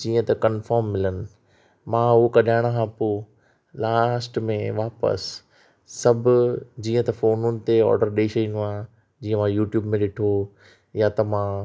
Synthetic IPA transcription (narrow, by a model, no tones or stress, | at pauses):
d͡ʑiːə̃t̪ɐkɐnfɔːɾmːɪlənɪ̆ | mãɦʊokɐɗaːɪɽ̃kʰãːpoː | laːsʈmẽʋaːpə̰sː | ɐbʱʊd͡ʑĩːə̃t̪ɐfoːnʊnɪ̆t̪eɔ̰ːɾɖəɾɗeːʃɐĩnd̪uãː | d͡ʑiːə̃mãjuːʈjuːbmẽɗɪʈʰo | jat̪ɐmãː